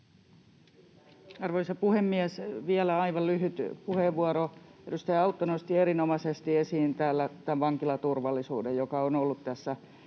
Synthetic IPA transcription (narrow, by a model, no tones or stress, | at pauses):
ɑrʋoisɑpuhemːiæsʋiælæɑiʋɑllyɦyt̪puheʋʋːuɑɾoedust̪æjɑut̪ːonost̪ieɾinomɑsest̪iesiːnt̪æːlːæt̪æʋʋɑŋkilɑt̪urʋɑlːˑisṵːdejjokɑonolːut̪t̪æsːæ